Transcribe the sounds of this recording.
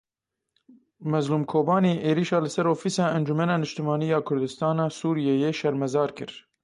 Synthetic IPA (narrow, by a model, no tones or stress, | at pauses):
mɛzluːmkʰoːbɑːniːʔeːɾiːʃɑːlɨsɛɾoːfiːsɑːɛnd͡ʒumɛnɑːnɨʃt̪ɨmɑːnijɑːkʰʊɾd̪ɨst̪ɑːnɑːsuːɾijejeːʃɛɾmɛzɑːɾkɨ̰ɾ